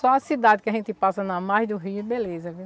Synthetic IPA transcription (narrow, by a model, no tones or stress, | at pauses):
sɔɐsid̪ad̪ɪkɪɐʒẽnt̪ɪpasɐnɐmajzd̪ʊɦiɛbelezɐvi